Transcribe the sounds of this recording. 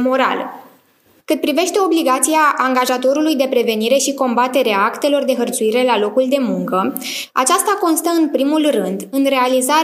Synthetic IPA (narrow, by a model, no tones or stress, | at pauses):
mo̞ɾa̰lə | kɨt̪̚pɾive̞ʃt̪e̞o̞bliɡat̪siaʔːŋɡaʒat̪o̞ɾulujd̪e̞pɾe̞ve̞niɾe̞ʃiko̞mbat̪e̞ɾeaakt̪e̞lo̞rd̪e̞ɦərt̪suiɾe̞lalo̞kuld̪e̞muŋkə | a̰t͡ʃast̪ako̞nst̪əɨnpɾimulrɨnd̪ɨnre̞aliza